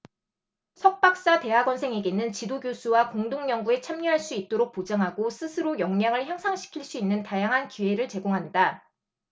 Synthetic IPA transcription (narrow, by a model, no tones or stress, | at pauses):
sʰʌk̚p͈ak̚s͈ate̞ɦaɡwʌnsʰe̞ŋe̞ɡenɯnt͡ɕidoɡjosʰuwakoŋdoŋɲʌŋɡue̞t͡ɕʰamɲuɦaɭs͈uit̚t͈oɾok̚p͈od͡ʑaŋɦaɡosʰɯsʰɯɾojʌŋɲaŋɯɭçjaŋsʰaŋɕʰi̥kʰiɭs͈uinːɯntajaŋɦankie̞ɾɯɭt͡ɕe̞ɡoŋɦanda